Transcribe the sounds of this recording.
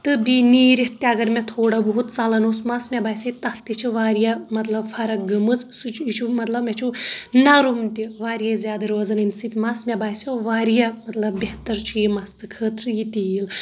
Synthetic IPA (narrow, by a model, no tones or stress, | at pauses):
t̪ɨbʲiniːɾiht̪ːiɐɡɐɾmʲɐt̪ʰoːɽɐboɦut̪t͡salɐnoːsmaːsmʲɛbaːjsʲɐt̪ɐkt̪it͡ʃʰiʋaːɾijamɐt̪lɐbfʰɐɾɐk̚ɡɐmɨt͡ssut͡ʃt͡ʃʰumɐt̪lɐbmʲet͡ʃʰunɐɾumt̪iʋaːɾijɐzʲjaːd̪ɐɾʋɐzɐnɨnʲsit̪ʲmasmʲɛbaːsjoʋaːɾijamɐt̪lɐbbeht̪ɐɾt͡ʃʰijimɐst̪ɨkʰəːt̪ɾɨjit̪il